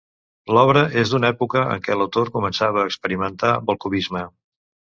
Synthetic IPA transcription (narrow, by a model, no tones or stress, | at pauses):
lɔβ̞ɾəʔezd̪unɛpukəə̰ŋkɛləwt̪oɾkumənsaβəːkspəɾimənt̪abolˠkuβizmə